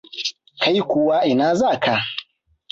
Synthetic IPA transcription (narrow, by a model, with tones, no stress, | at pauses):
ka˦ji˦kʷʊ˦wa˦ʔɪ˨naː˦za˦˨kʰa˦